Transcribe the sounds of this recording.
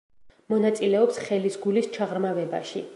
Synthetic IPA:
mɔnat̪sʼilɛɔpsχɛlisɡulist͡ʃʰaʁɾmavɛba̰ʃi

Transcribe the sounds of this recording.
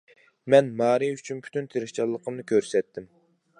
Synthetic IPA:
mɛnmɑːɾijyt͡ʃʰynpʰy̥t̪ʰynt̪ʰeɾɪʃt͡ʃʰɑlˠːəqʰəmnɨkʲʰøɾsɛt̪ʰːɪm

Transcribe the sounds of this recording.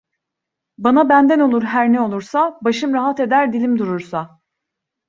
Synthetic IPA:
banabænd̪æno̞lˠuɾɦæɾnɛo̞lˠuɾsabaʃɯmɾaɦat̪e̞d̪æɾd̪ilʲimd̪uɾuɾsa

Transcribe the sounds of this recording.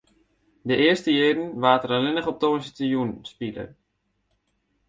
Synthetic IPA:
dəʔɪəstəjeːdn̩ʋaːtəɾəlɪnəχɔp̚toːnsətəjunspilə̰

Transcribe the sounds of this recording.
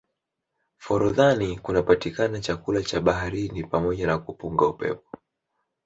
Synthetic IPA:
fɔɾuðanikunapatikanat͡ʃakulat͡ʃaɓahaɾinipamɔʄanakupuŋɡaupɛ̰pɔ̥

